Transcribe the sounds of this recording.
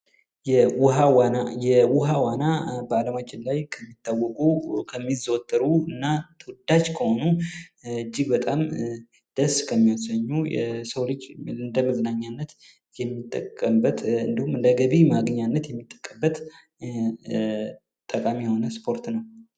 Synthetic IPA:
jɛwʊɦawanajɛwʊɦawanabəaləmat͡ʃːɪnlajkʰəmːit̪ːawːɔkʼukʰəmːizəwɔt̪ʰʼːəɾuɨnːat̪ʰəwd̪at͡ʃkʰəho̞nu | ɨd͡ʒːibət̪ʼam | d̪̥əskʰəmːiasəɲːujɛ̰səwlɨd͡ʒɨnd̪əmɨzɨnaɲːanːət̪ | jɛmːit̪ʼːəkʼːəmbət̪ɨ̰nd̪ihumɨnd̪əɡəβimaɡəɲːanːət̪jɛmːit̪ʼːə̥kʼːəbːət̪ | t̪ʼəkʼamijɛho̞nəspʰo̞ɾt̪nəw

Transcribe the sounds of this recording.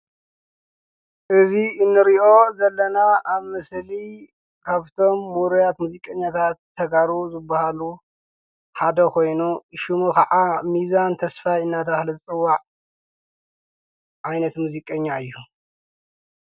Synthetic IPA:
ʔɨziɨnːɨɾiʔo̞zɐlːɐnaaβmɐsli | kʰaβt̪ʰo̞mːuɾujat̪muzikʼɐɲːat̪ʰat̪ʰːɐɡaɾuzɨbːahalu | ħad̪ɐkʰo̞jnuʃumukʰɐʕamizant̪ʰɐsfajɨnːad̪axlizɨt͡sʼɨwːaʕ | ʕajnɐt̪muzikʼɐɲːaɨjːu

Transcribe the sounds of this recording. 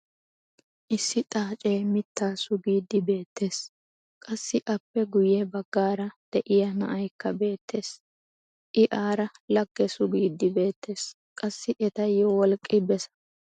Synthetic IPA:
ʔɪsːɪt̪ʼaːt͡ʃʼeːmɪt̪ːaːsʊɡiːd̪ɪbe̞ːt̪ːe̞ːs | kʼɐsːɪʔɐpːɛɡʊjɛbɐɡːaːɾɐd̪̥ɛʔɪjɐnɐ̰ʔɐjkːɐbe̞ːt̪ːe̞ːs | ʔɪʔaːɾɐlɐɡːɛsʊɡiːd̪ːɪbe̞ːt̪ːe̞ːs | kʼɐsːɪʔɛt̪ɐjɔwɔlkʼːɪbɛsɐ̥

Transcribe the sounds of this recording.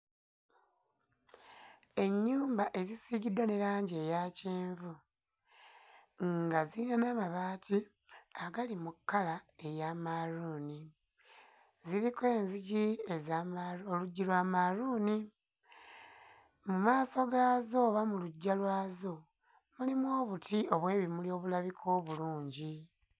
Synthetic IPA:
e̞ɲːuːmbaʔe̞zisiɟidwaneɾaːɲɟe̞ːjaceːɱvu | ŋɡaziːnanamaβaːtʰi | aɡalimukːalae̞jaːmaɾuːni | ziɾike̞ːnziɟiezaoluɟːilwaːmaɾuːni | mumaːso̞ɡaːzo̞βamuluɟːalwaːzo̞ | mulimwo̞ːβutio̞βwe̞ːβimulio̞ːβulaβikʰo̞ːβuluːɲɟi

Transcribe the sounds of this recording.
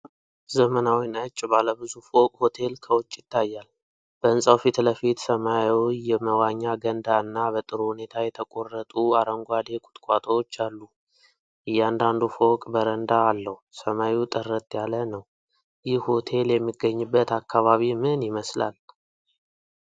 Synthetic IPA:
zəmənawinət͡ʃʼːbaləbɨzufo̞kʼho̞t̪ʰe̞lkʰəwʊt͡ʃʼːjɪt̪ʰːajːal | b̥əɨnsʼawfit̪ləfit̪səmajwjɛməwaɲːaɡənd̪aɨnːabət̪ʼɨɾohune̞t̪ʰajɛt̪ʰəkʼo̞rːət̪ʼuaɾəŋɡʷad̪e̞kʼʊ̥t̪ʼkʼat̪ʰʼəot͡ʃːalːu | ʔɨjːand̪and̪ufo̞kʼbəɾənd̪aːlːəhusəmaut̪ʼərːət̪ʼjalənəw | jɪhho̞t̪ʰe̞ljɛmːiɡəɲːɨbːət̪akːaβaβimɨnjɪməsla̰l

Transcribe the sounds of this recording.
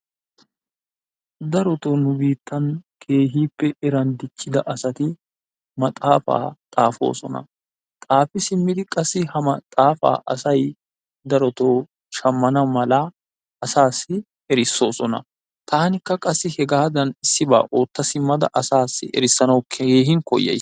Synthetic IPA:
d̪ɐɾɔt̪oːnʊbiːt̪ːɐnkʰe̞ːɦiːpːɛɛɾɐnd̪ɪt͡ʃːɪd̪ɐʔɐsɐt̪ɪ | mɐt̪ʼaːfa̰ːt̪ʼaːfo̞̰ːsɔnɐ̰ | t̪ʼaːfɪsɪmːɪd̪ɪkʼɐsːɪhɐmɐt̪ʼaːfa̰ːʔɐ̰sɐj | d̪ɐɾɔt̪oː | ʃɐmːɐnɐmɐlɐ | ɐsaːsːɪ | ɛɾɪsːo̞ːsɔnɐ̰ | t̪ʰaːnɪkːɐkʼɐsːɪhɛɡaːd̪ɐnɪsːɪba̰ːʔoːt̪ːɐsɪmːɐd̪ɐ̰ʔɐsaːsːɪ̰ʔɛ̰ɾɪsːɐnɐwkʰeeːɦɪŋkɔ̰jːɛ̰j

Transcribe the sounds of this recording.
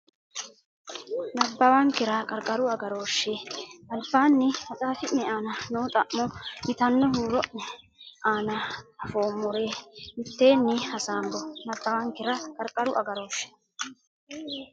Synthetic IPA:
nɐbːɐwaːŋkɪɾakʼɐɾkʼɐɾʊɐɡɐɾo̞ːʃːeʔɐlbaːnːɪmɐt̪ʼaːfɪʔɛaːnɐnoːt̪ʼɐʔmːɔmɪt̪ɐnːɔɦuːɾɔʔɛ | aːnɐɐfoːmːɔɾeːmɪt̪ːe̞ːnːɪhɐsaːmbɔnɐbːɐwaːŋkɪɾɐkʼɐɾkʼɐɾʊʔɐɡɐɾo̞ːʃːɛ̥

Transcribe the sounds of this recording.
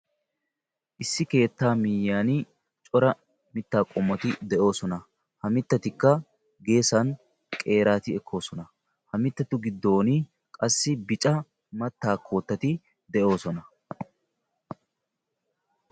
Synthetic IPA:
ʔɪsːɪke̞ːt̪ːaːmɪjːaːnɪ | t͡ʃʼɔɾɐ | mɪt̪ːaːkʼɔmːɔt̪ɪd̪ɛʔo̞ːsɔnɐ | hɐmɪt̪ːɐt̪ɪkːɐ | ɡe̞ːsɐn | kʼe̞ːɾaːt̪ɪɛkʰːo̞ːsɔnɐ | hɐmɪt̪ːɐt̪ʊɡɪd̪ːo̞ːnɪ | kʼɐsːɪbɪt͡ʃʼɐ | mɐt̪ːaːkʰːo̞ːt̪ːɐt̪ɪ | d̪ɛʔo̞ːsɔnɐ

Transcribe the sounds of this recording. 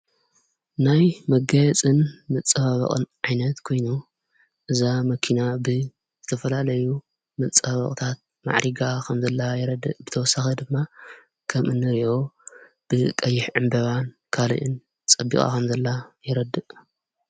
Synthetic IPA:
najmɐɡajɛt͡sʼɨnmɐt͡sʼːɐβaβɐ̰χʼɨ̰nʕajnɐt̪kʰo̞jnu | ʔɨzamɐkʰinabɨ | zɨt̪ʰɐfɐlalɐju | mɐt͡sʼːaβɐ̰χʼt̪ʰat̪̚ | ma̰ʕɾiɡakʰɐmzɐlːajɛɾɐd̪ɨʔbɨt̪ʰɐwɔsːaxɐd̪ɨmːa | kʰɐmʔɨnːɨɾio̞ | b̥ɨkʼɐjːɪħʕɨmbɐβan | kʰalḭʔɨn | t͡sʼɐbːḭkʼa̰kʰɐmzɐlːajɪɾɐd̪ɨʔ

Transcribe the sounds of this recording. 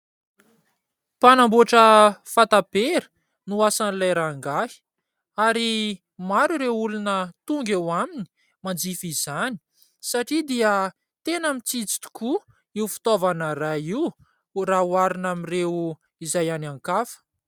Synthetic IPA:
panamboaʈ͡ʂəfat̪apeɾə̥ | nuasanilajɾaŋɡaɦi̥ | aɾi | maɾuɾewulunət̪uŋɡewamini̥ | mand͡zifizani̥ | saʈ͡ʂid̪iə | t̪enamit͡sit͡si̥t̪u̥ku | iwfi̥t̪ovanəraiw | rawaɾinamirew | izajanaŋkafə̥

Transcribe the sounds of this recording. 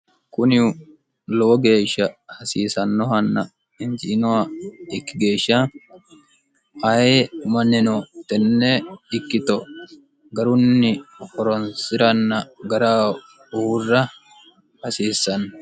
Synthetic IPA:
kʊnɪʊ | lɔwɔɡe̞ːʃːɐhɐsiːsɐnːɔɦɐnːɐ | ɪnd͡ʒɪʔɪnɔwɐɪkːɪɡe̞ːʃːɐ | ɐjmɐnːɪnɔt̪ɛnːɛɪkːɪt̪ɔ | ɡɐɾʊnːɪhɔɾɔnsɪɾɐnːɐɡɐɾaː | uːrːɐ | hɐsiːsːɐn

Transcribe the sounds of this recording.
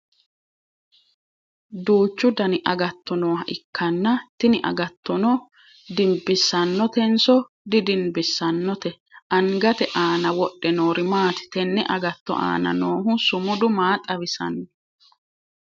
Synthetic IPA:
d̪uːt͡ʃːʊd̪ɐnɪʔɐɡɐt̪ːɔnoːɦɐʔɪkʰːɐnːɐt̪ɪnɪʔɐ̰ɡɐt̪ːɔnɔ | d̪ɪmbɪsɐnːɔt̪ɛnsɔ | d̪ɪd̪ɪnbɪsːɐnːɔt̪ɛ | ʔɐŋɡɐt̪ɛʔaːnɐwɔɗːɛnoːɾɪmaːt̪ɪ̥t̪ɛnːɛʔɐɡɐt̪ːɔ̰ʔa̰ːnɐ̰noːɦʊsʊmʊd̪ʊmaːt̪ʼɐβɪsɐ̰nːɔ

